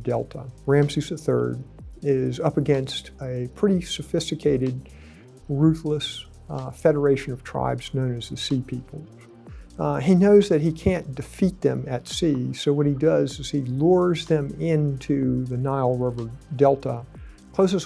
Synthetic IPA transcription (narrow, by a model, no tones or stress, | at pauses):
dɛ̰lˠtʰə̰ɹæ̃msizɨθɜ̰˞dɪzʌpɨɡɛ̃nstɨpʰɹ̥ɪɾisɨfɪstɨkʰeɪɾɨd̚ | ɹʉθləs | fɛɾə˞eɪʃɨ̃nʌv̥tʰɹ̥a̰ɪbz̥nõʊ̃nɨz̥ðɨsipʰipʰl̩ˠz | inoʊzðɨt̚hikʰæ̃nd̥ɨfit̪̚ðɨ̃mɨtsisoʊwʌt̚hidʌzɨz̥ilʊɹzðɨ̃mɪ̃ntʰʉðɨnaɪl̩ˠɹɪvə˞dɛlˠtə | kʰl̥oʊsɨz